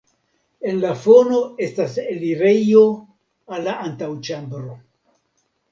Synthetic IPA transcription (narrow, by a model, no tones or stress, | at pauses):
e̞nlafo̞no̞e̞staseliɾe̞jo̞ | alːaantawt͡ʃambɾo̞